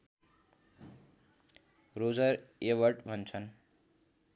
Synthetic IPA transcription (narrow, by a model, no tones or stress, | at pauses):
rod͡zʌɾewʌrʈbʱʌnt͡sʰʌn